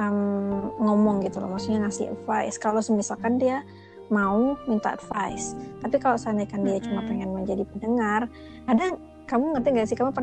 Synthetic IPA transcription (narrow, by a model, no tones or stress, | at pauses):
əmŋɔmɔŋɡit̪ulɔ̰hmaksuk̚ɲaŋasɪha̰dfaɪskalosəmisalkandia | maumint̪aʔa̰dfa̰ist̪apikaloʔsanajkandiat͡ʃumapɛŋɛnməɲd͡ʒadipəndəŋar | adaŋ | kamuŋərt̪iŋɡasikamupər